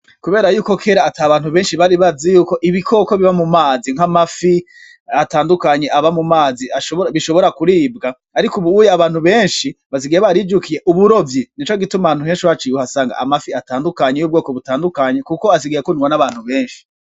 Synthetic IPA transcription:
kuβe̞ːɾajuːko̞kʰeːɾaːtʰaːβaːn̥huβe̞ːnʃiβaɾiβazejuːko̞ʔiβikʰo̞ko̞βiβamumaːziŋ̥hamafi | ataːndukaɲe̞ʔaβamumaːziaʃoβiʃo̞βo̞ɾakuɾiːbɡaːɾikuβuujaβaːn̥huβe̞ːnʃiβaziɡieβaɾid͡ʒukʰije̞ʔuβuɾo̞vjinit͡ʃoɡituman̥uɦeːnʃiwat͡ʃiwuasaːŋɡa̰ʔamafiataːndukaɲejub̚ɡo̞ːko̞βutaːndukaɲe̞kukoas̬iɡijekoniwonaβaːn̥huβe̞ːnʃi̥

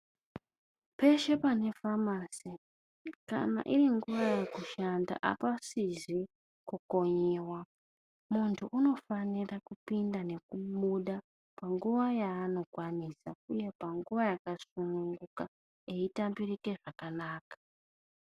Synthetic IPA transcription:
pe̞ʃe̞pane̞famasi | ka̰na̰ʔiriŋɡuʋajekuʃanda̰ʔa̰pasizi | kuko̞ɲewa | muntʰuʔuno̞fanirakupindane̞kuɓuɗa | paŋɡuʋajaːno̞kwanisauje̞paŋɡuʋajakasunuŋɡuka | eitambirike̞ʐakanaːkḁ

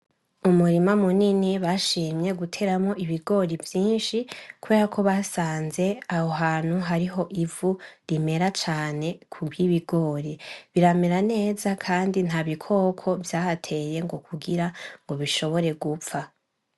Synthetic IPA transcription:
umuɾimamuniniβaʃiːmje̞ɡutʰe̞ɾamŋo̞ʔiβiɡo̞ːɾivjiːnʃikuβe̞ːɾakʰo̞βasaːnze̞ahoɦaːn̥huɦaɾiɦo̞ʔivuɾime̞ɾat͡ʃaːne̞kʰuɡjiβiɡo̞ːɾiβiɾameɾane̞ːzakʰaːndin̥haβikʰo̞ːkʰo̞vjaːhatʰe̞je̞ŋɡo̞kʰuɡiɾaŋɡo̞βiʃo̞βo̞ɾe̞ɡufa

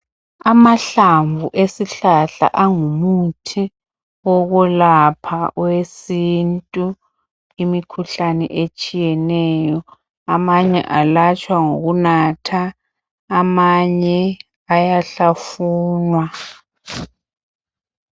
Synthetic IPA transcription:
amaɬaɱvuʔesiɬaɬa̰ʔaŋumutʰi | ɔɣulapʰawesintʼu | imikʰuɬanɛ̰ʔet͡ʃʼijɛnɛjɔ | amaɲɛ̰ʔalat͡ʃʼwaŋoɣunatʰaː | maɲɛ | ajaɬafuːnwa

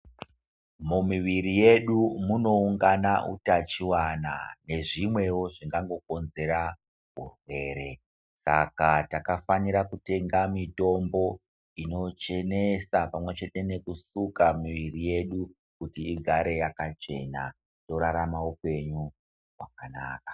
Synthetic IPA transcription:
mumiʋiɾije̞ɗumuno̞uŋɡanaʔṵtat͡ʃiwana̰ne̞ʐimwe̞wo̞ʐiŋɡaŋɡo̞ko̞nze̞ɾa | ɦṵrwe̞ɾe̞ | sa̰katakafaniɾakute̞ŋɡamito̞mbo̞ | ino̞t͡ʃe̞nesapamwe̞t͡ʃe̞te̞ne̞kusukamiʋirije̞ɗu | kutiːɡʱaɾe̞jakat͡ʃe̞̰na̰ | to̞ɾaɾamaupe̞ɲu | wakana̰ːkḁ

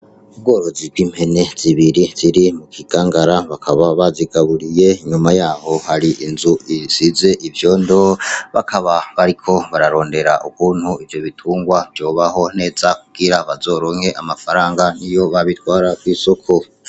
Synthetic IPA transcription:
ub̚ɡo̞ːɾo̞zib̚ɡwiːm̥he̞ne̞z̥iβiɾiz̥iɾimukʰiɡ̥aːŋɡaɾaβakʰaβaβaziɡaβuɾije̞iɲumajaːho̞haɾiʔinzuisize̞ʔivjo̞ːndoβa̰kʰaβaβaɾikʰo̞βaɾaɾo̞ːnde̞ɾaʔukuːnhuivjo̞βitʰuːŋɡwavjo̞ːβaɦo̞ne̞ːzakuɡ̥iɾaβazo̞ːɾo̞ŋ̥he̞ʔamafaɾaːŋɡanijo̞βaβitwaːɾakwiːsokʰo

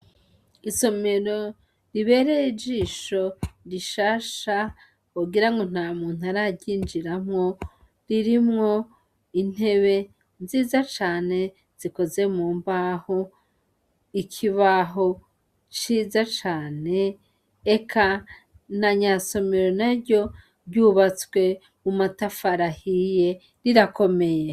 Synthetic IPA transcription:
iso̞me̞ɾo | ɾiβe̞ɾeid͡ʒiːʃo̞ɾiʃaʃa | oɡiɾaŋɡo̞n̥amuːn̥uaɾaɟiːnd͡ʒiɾamŋo̞ | ɾiɾimŋo̞ | in̥e̞βe̞ | nziːzat͡ʃaːne̞ | z̥iko̞ze̞muːmbaho | ikʰiβaɦo̞ | t͡ʃiːzat͡ʃaːne̞ː | kʰa | n̥aɲaso̞meɾo̞naɾɟo̞ | bɟuːβat͡swe̞ | umatafaɾahije̞ | ɾiɾako̞me̞je

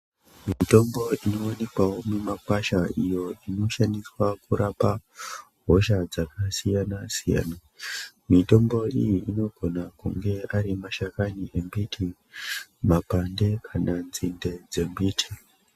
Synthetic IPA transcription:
mito̞mbo̞ino̞one̞kwawo̞memakwaʃaijo̞ino̞ʃaniswakuɾapa | ɦo̞ʃad͡zakasijanasija̰ːna | mito̞mbo̞ḭjiino̞ɡʱo̞nakṵŋɡe̞aɾimaʃakaniʔe̞mbitʰi | mapande̞kʰananzinde̞d͡ze̞mbiːtʰi̥

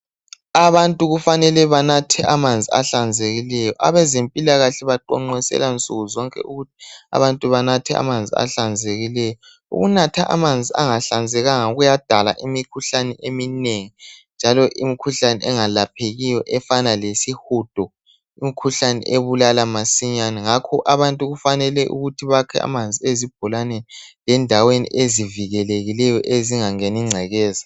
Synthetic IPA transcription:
aβantʼuɣufanɛlɛβanatʰɛamand͡zʱia̰ɬand͡zʱeɣilɛjɔʔaβɛzempʼilaɣaɬɛβaǃɔŋ͡ǃɛsɛ̰lant͡sʼuɣuzɔŋkʼɛ̰ʔuɣutʰi̥a̰βantʼuβanatʰɛa̰mand͡zʱḭa̰ɬand͡zʱeɣilɛjɔ | ṵɣunatʰaʔa̰mand͡zʱiaŋaɬand͡zʱɛɣaŋauɣujad̥ʱala̰ʔimikʰuɬanɛʔemineŋind͡ʒʱalɔʔimikʰuɬanɛʔɛŋalapʰeɣijɔʔɛfanalesihud̥ʱɔ | imikʰuɬanɛ̰ʔeβulalamasiɲanɛŋakʰɔʔaβantʼuɣufanɛlɛʔṵɣutʰiβakʰɛa̰mand͡zʱiezib̥ʱɔlanenilɛndʱawenḭʔeziviɣɛleɣilɛjɔʔeziŋaŋeniŋ͡ǀʱɛɣɛːza

